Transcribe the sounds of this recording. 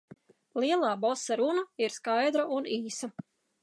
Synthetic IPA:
lˠiɛlˠaːbɔsaɾunaiɾskajd̪ɾaʔuniːsa

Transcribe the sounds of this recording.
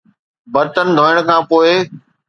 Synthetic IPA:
bɐɾt̪ənɪ̆d̪ʱoːɪəɽ̃kʰãːpoːɪ

